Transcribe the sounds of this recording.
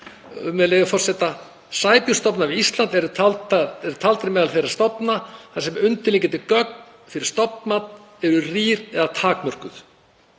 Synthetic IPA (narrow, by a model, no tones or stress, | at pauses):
mɛlejvafɔr̥sɛt̪a | saːjpjʏ̥st̪ɔpnavɪist̪lant̪ɛɾʏalt̪aɛɾt̪ʰalt̪ɪɾmɛːðalθejɾḁst̪ɔpnaθasɛmʏnt̪ɪliŋcɛnt̪ɪkœk̚n | fɪɾɪ̥ɾ̥st̪ɔpnmat̪n | ɛɾʏriːɾɛðat̪ʰaːkmœr̥kʏθ